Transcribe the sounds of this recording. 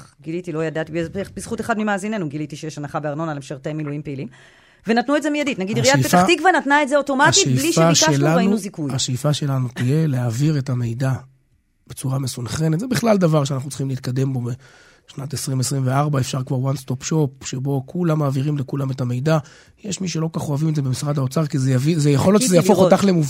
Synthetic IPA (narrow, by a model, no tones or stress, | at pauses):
ɡilitilo̞jadat̪ibebisχuteχadmimaːzine̞nuɡilitiʃejeʃhanaχabeaʁno̞nalemʃeʁtejmːilujimpeilim | venatnuetzemijaditnaɡid̪iʁijaeaχikvanatnaetzeoto̞maaiejbliʃeaʃaelaainnuzikujaʃejifaʃe̞lanutije̞leaviʁe̞tame̞jda | b̥et͡suʁamesunχe̞net̪zebiχlald̪avaʁʃ̬eanaχnutt͡sl̥χimleit̪̚kad̪e̞mbo̞be | ʃnatesʁimesʁimveaʁbaefʃaʁkvaʁwanst̪o̞pʃo̞p̚ʃebo̞kʰulamːaːviʁimlekulametame̞jd̪a | jeʃmiʃelo̞kaχoavimtzebe̞misʁadao̞t͡saʁkizeavizejaχoljot͡ʃʃezejafootaχlemuv